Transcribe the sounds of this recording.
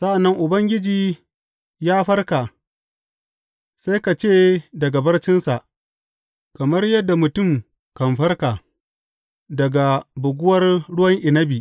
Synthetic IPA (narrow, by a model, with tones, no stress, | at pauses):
sa˦ʔa˨nːɐ˦ŋʔʊ˨bɐ˦ŋɡʲɪ˦d͡ʒiː˨ | jaː˦ɸɐ˦rka˨ | sa˦jka˨t͡ʃeː˦˨dɐ˨ɡa˨bɐ˦rt͡ʃɪ˦nsa˨ʔ | kɐ˨mɐ˦rjɐ˦dːa˨mʊ˨tʊ˦˨m | kɐ˨mɸɐ˦rka˨ | dɐ˨ɡa˨bʊ˨ɡʷʊ˦wɐ˦rɽʊ˦wɐ˦ŋʔɪ˨nɐ˦bi˨ʔ